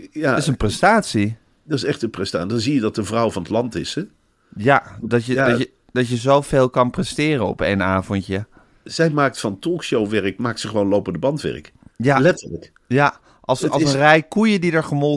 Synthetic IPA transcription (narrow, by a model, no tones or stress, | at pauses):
jaɪsənprɛstaːtsi | dɑsɛχtənprɛstaːdɑnzijədɑtəvrɑwvɑnətlɑntɪsɛ | jadɑjədə | d̥ɑtjəzowveːlˠkɑnprɛstɪːrənɔ̰pḛjnaːvɔntjə | z̥ɛjmaːk̚tfɑntɔlˠkʃowʋɛɹəkmaːktsəχəʋownlowpəndəbɑntʋɛ̰ɹk | jalɛtələk | ja | ʔɑslsənrɛjkujədidəɹχəmɔl